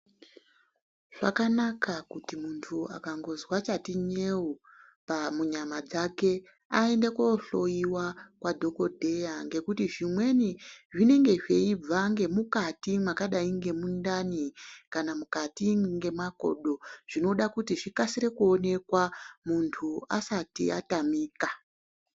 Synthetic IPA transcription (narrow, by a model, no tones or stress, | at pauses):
ʐ̥a̰kanakakutimuntʰua̰kaŋɡo̞zwat͡ʃatiɲe̞u | pamuɲamad͡zake̞ | ae̞ndekoɬo̞iwakwadʱo̞ko̞dʱe̞jaŋɡe̞kutiʐimwe̞niʐine̞ŋɡe̞ʐe̞ib͡vaŋɡe̞mukatimwakaɗaiŋɡe̞mundanikanamukatiŋɡe̞mako̞̰ɗo̞ʐ̥ino̞ɗakutiʐikasiɾe̞kuo̞ne̞kwamuntʰua̰satḭa̰tamiːka